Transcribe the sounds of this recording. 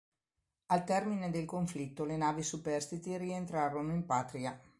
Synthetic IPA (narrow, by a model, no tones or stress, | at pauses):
alt̪ɛrmined̪elkoɱflit̪ːolenaːvisupɛrst̪it̪iɾient̪ɾaːɾonoimpaːt̪ɾia